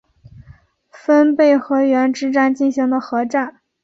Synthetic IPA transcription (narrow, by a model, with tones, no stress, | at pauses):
fə˥npe˥˩ɪxɤ˧˥ɥɛ˧˥nʈ͡ʂɻ̩˥ʈ͡ʂa˥˧nt͡ɕi˥˩nɕi˧˥ŋd̪ə˧xɤ˧˥ʈ͡ʂa˥˩n